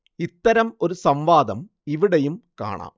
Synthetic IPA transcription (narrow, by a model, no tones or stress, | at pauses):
it̪ːɐɾɐmo̞ɾusɐmʋaːd̪ɐm | iʋiɽejumka̰ːɳa̰ː